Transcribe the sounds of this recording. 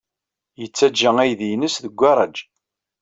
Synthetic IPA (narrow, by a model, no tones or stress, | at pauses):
jət͡sːæd͡ʒːəŋæjðijnəsðəɡʷːɑɾˤɑd͡ʒ